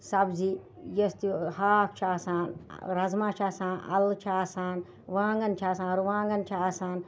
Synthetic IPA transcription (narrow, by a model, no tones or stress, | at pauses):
sɐbzi | jɐst̪ihaːk̚t͡ʃʰaːsaːnɾɐzmãːt͡ʃʰaːsaːnɐ̰lt͡ʃʰaːsaːn | ʋãːŋɡɐnt͡ʃʰaːsaːnɾuʋãːŋɡɐnt͡ʃʰaːsaːn